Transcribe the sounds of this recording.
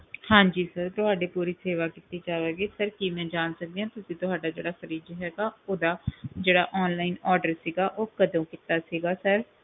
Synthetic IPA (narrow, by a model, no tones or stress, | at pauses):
hãːɲd͡ʒiːsəɾt̪ʊɦaːɖeːpuːɾiːseːʋaːkit̪iːd͡ʒaːʋeːɡiːsəɾkiːmɛ̃ːd͡ʒaːnsək̚d̪eːãːt̪ʊsĩːt̪ʊɦaːɖaːd͡ʒeːɽaːkəɾiːd͡ʒɦɛːɡaːoːd̪aːd͡ʒeːɽa̰ːʔɔːnlaːinɔːɖəɾsiːɡaːʔoːkəd̪õːkɪt̪aːsiːɡaːsəɾ